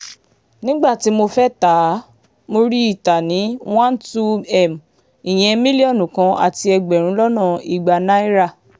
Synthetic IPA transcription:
nĩ˦ɡ͡ba˦˨ti˨˦mo˧fɛ˦ta˨˦ | mo˧ɾi˦i˦˨ta˨nĩ˨˦w̃ã˦n˦tu˦ɛ˦˨m˨ | i˨j̃ɛ̃˧mĩ˦li˦ɔ˦˨nũ˨kã˧˦a̰˨ti˧ɛ˧ɡ͡bɛ˨ɾ̃ũ˨˦lɔ˦nã˦˨i˨ɡ͡ba˨˧na˦i˦ɾa˦˨

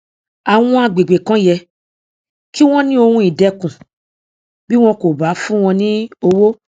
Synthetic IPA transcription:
a˨w̃ɔ̃˧a˧ɡ͡be˨ɡ͡be˨kã˨˦jɛ˧ | ki˦w̃ɔ̃˦nĩ˦o˧hũ˧˦i˨dɛ˧kũ˨ | bi˦w̃ɔ̃˧ko˨ba˨˦fũ˦w̃ɔ̃˧nĩ˦o˧wo˦

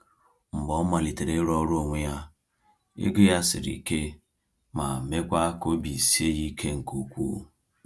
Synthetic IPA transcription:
m̩˨bɔ˦ma˨li˨te˨ɾe˦ɾɔ˦ɾo˦˨ŋʷe˦ja˦ | ɪ̰˦ɡɪ˦ja˦sɪ̰˨ɾḭ˨ke˦ | ma̰˨me˦kʷa˦ko˦bi˨si˦e˦ji˦kʰe˦ŋ̩˨ku˨kʷṵː˦˨

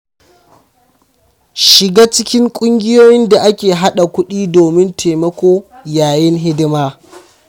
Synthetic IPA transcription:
ʃɪ˨ɡaː˦t͡ʃɪ˦kʲɪ˦ŋkʷʼʊ˦ŋɡʲɪ˦joː˦jɪ˦nda˨ʔa˦kʲeː˨ɦa˦ɗa˨kʷʊ˦ɗiː˦doː˨mɪ˦ntʰeː˨mɐ˦kʷoː˦jaː˨jɪ˦nɦɪ˦dɪ˦maː˦

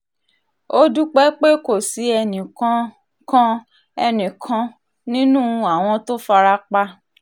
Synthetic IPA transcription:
o˦du˦k͡pɛ˦k͡pe˦ko˦˨si˨˦ɛ˧nĩ˨kã˨˧ | kã˧ | ɛ˧nĩ˨kʰã˧ | nĩ˦nũ˦a˦˨w̃ɔ̃˧to˦fa˧ɾa˦k͡pa˧

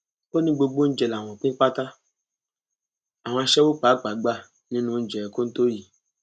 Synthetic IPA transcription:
o˦nĩ˦ɡ͡bo˧ɡ͡bo˦n̩˦d͡ʒɛ˨la˨w̃ɔ̃˨k͡pũ˦k͡pa˦ta˦ | a˨w̃ɔ̃˧a˧˨ʃɛ˦wo˦k͡pa˨˦k͡pa˨ɡ͡ba˦˨ | nĩ˦nũ˧˦˧n̩˦d͡ʒɛ˨ɛ˨ko˦n̩˦to˦ji˨

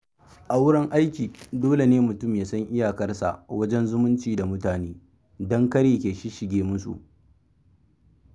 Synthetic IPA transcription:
ʔa˨wʊ˦ɽɐ˦ŋʔa˦jkʲiː˨doː˦le˨neː˦mʊ˨tʊ˦˨mjaː˨sɐ˦ŋʔɪ˦jaː˨kɐ˦rsa̰˨wɐ˦d͡ʒɛ˦nzʊ˦mʊ˦nt͡ʃiː˨da˨mʊ˦taː˨neː˦ | dɔ˦ŋkɐ˦ɾeː˨kʲeː˨ʃi˦ʃɪ˨ɡʲeː˦mʊ˦sṵ˨ʔ

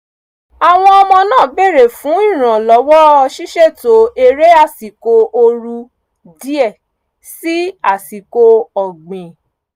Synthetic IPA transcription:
a˨w̃ɔ̃˧ɔ˧mɔ̃˧nãː˦˨be˦˨ɾe˨fũ˨˦i˦˨ɾ̃ã˨lɔ˨˦wɔ˦ɔ˧ʃi˦ʃɛ˦˨to˨˦e˧ɾe˦a˦˨si˨ko˧o˧ɾu˧ | di˦ɛ˦˨ | si˦a˦˨si˨ko˧ɔ˨ɡ͡bẽ˨

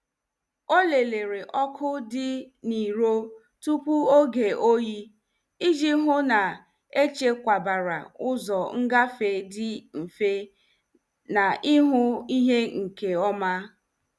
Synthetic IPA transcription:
o˦le˨le˨ɾe˨ʔɔ˦kʰʊ˦dɪ˦ | ni˨ɾo˦ | tu˦pu˦o˦ɡe˨o˦ji˦ | i˦d͡ʒi˦ɦʊ˦na˨ | e˦t͡ʃe˦kʷa˨ba˨ɾa̰˨ʊ˦zɔ˨ŋ̩˦ɡa˦fe˨dɪ˦m̩˨fe˦ | na˨ʔɪ˦ɦʊ˦i˦ɦe˦ŋ̩˨ke˨ɔ˦ma˦

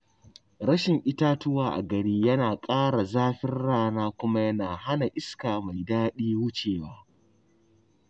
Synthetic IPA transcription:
ɽɐ˦ʃɪ˨ŋʔɪ˦taː˦tʊ˦waː˨ʔa̰˨ɡɐ˨ɽiː˦jɐ˦naː˨kʼaː˦ɽa˨zaː˦ɸɪ˦rɽaː˦naː˦kʷʊ˦ma˦jɐ˦naː˨ha˦na˨ʔɪ˦skaː˨ma˨jdaː˦ɗiː˦wʊ˦t͡ʃeː˨waː˦

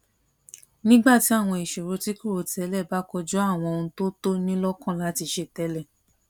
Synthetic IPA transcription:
nĩ˦ɡ͡ba˦˨ti˨˦a˦˨w̃ɔ̃˧i˨ʃo˨ɾo˨˧˦ti˦ko˦˨o˨tʰɛ˨˦lɛ˦˨ba˨˦kɔ˧d͡ʒɔ˦a˦˨w̃ɔ̃˧o˧ũ˧˦to˦to˦nĩ˦lɔ˦kã˦˨la˨˦ti˧ʃe˧˨tɛ˧˦lɛ˦˨

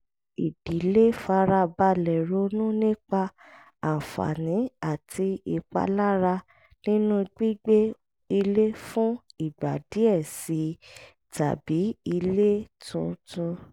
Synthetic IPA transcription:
i˨d̥i˨˦le˦fa˧ɾa˧ba˧lɛ˨ɾo˨˦nũ˦nĩ˦k͡pa˧ | a˨fa̰˨nĩ˨˦a˦˨tʰi˧i˧k͡pa̰˧la˦ɾa˧ | nĩ˦nũ˦ɡ͡bi˦ɡ͡be˦ | i˧le˦fũ˦i˦˨ɡ͡ba˨di˨˦ɛ˦˨si˨˦ | ta̰˨bi˨˦i˧le˦tʰũ˧tũ˧

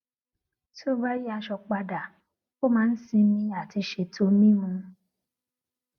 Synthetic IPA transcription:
so˦ba˦ji˦a˧ʃɔ˧k͡pa˧da˨ | ko˦˨mãː˨˦n̩˦sĩ˧mĩ˧a˨ti˧ʃe˧tʰo˧˦mĩ˦mũ˧

